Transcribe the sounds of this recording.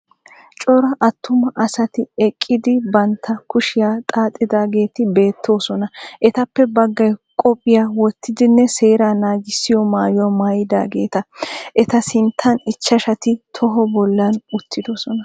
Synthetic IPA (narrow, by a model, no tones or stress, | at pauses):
t͡ʃʼɔɾɐʔɐt̪ːʊmɐʔɐsɐt̪ɪɛkʼːɪd̪ɪbɐnt̪ʰːɐkʊʃɪjaːt̪ʼaːt̪ʼːɪd̪aːɡe̞ːt̪ɪbe̞ːt̪ʰːo̞ːsɔnɐʔɛt̪ɐpːɛbɐɡːɐjkʼɔpʼːɪjaːwɔt̪ʰːɪd̪ɪnːɛse̞ːɾaːnaːɡɪsːɪjɔmaːjʊwɐmaːjɪd̪a̰ːɡeːt̪ɐʔɛt̪ɐsɪnt̪ʰːɐnɪt͡ʃːɐʃɐt̪ɪt̪ʰɔɦɔbɔlːɐnʊt̪ʰːɪd̪osɔnɐ